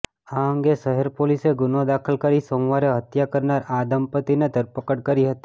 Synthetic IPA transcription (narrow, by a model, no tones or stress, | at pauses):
aə̃ŋɡeʃəɦɛɾpoliseɡʊnõd̪akʰəlkəɾisoːmʋaɾeɦət̪jakəɾnaɾad̪əmpət̪ined̪ʱəɾpəkəɽkəɾiɦət̪i